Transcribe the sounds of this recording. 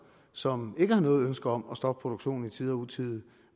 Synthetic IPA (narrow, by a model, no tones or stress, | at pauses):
sɒ̽me̝ɡ̥əhɑ̈nɔ̽ːð̩ˠønsɡ̥ɐɒ̽mɒ̽sd̥ɒ̽b̥̚pʰʁo̝d̥oɡ̥ɕo̝̰ːn̩it͡sʰið̞ˠɒut͡sʰið̩ˠ